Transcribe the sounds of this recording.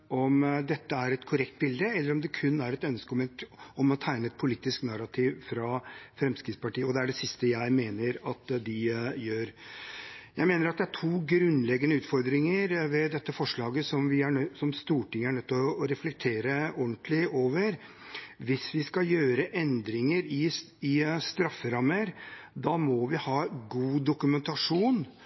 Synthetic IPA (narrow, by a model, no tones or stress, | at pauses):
ɔmd̪ɛt̪ːəæɾɛt̪kʰʊɾɛkt̪̚bɪld̪əɛlːəɾɔmd̪ɛkʰʉnːæɾɛt̪œnskəɔmɛɔmɔt̪ʰæɪnəɛt̪̚pʰʊliːt̪ːɪsknɑɾɑt̪ʰiːʋfɾɑfɾɛmskɾɪt̪spɑʈiːəɔd̪ɛæɖɛsɪst̪əjæɪmeːnəɾɑt̪d̪ɪjøːɾ | jæɪmeːnəɾɑt̪̚d̪ɛæʈʰuːɡɾʉnlɛɡːənəʉːt̪fɔɾd̪ɾɪŋəɾʋɛd̪ɛt̪ːəfɔʂɭɑːɡəsɔmʋɪæsɔmst̪uːʈɪŋːəæɳœt̪ːɔːɾɛflɛk̚t̪ʰeːɾəɔnt̪lɪoːʋəɾ | ʋɪsʋɪskɑjøːɾəʔɛnd̪ɾɪŋəɾɪ | ɪst̪ɾɑfːəɾɑməɾd̪ɑmɔʋɪhɑːɡuːd̪ʊkʉmɛnt̪ɑʂuːn